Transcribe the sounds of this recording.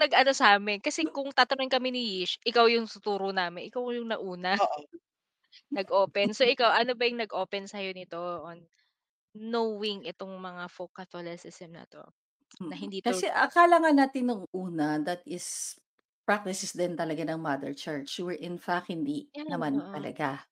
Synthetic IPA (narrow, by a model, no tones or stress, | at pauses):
nɐɡʔɐno̞sɐʔaːmɪnkɐsɛkʊŋt̪aːt̪ɐnoŋkɐminɪjiʃʔɪkawjʊŋt̪ʊt̪uːɾonaːmɪnʔɪkawjʊŋnɐʔuːnɐoʔ | nɐɡʔoːpɛnsoʔɪkawʔɐnobɐjʊŋnɐɡʔo̞ːpɛnsɐjonɪt̪o̞ʔonː | owɪŋʔɛt̪oŋmɐŋafokɐt̪olɛsɪsɛmnɐ̰t̪o̞̰ | nɐɦɪnd̪iːt̪kɐsɛʔɐkaːlɐŋanaːt̪ɪnːʊŋʔuːnɐd̪ɐt̪ɪs | pɹak̚t̪ɪsɪsd̪ɪnt̪ɐlɐɡanɐŋmɐd̪ɛ̰ɹt͡ʃɛɹt͡ʃwɪɹʔɪnfak̚hɪnd̪inɐmant̪ɐlɐ̰ɡa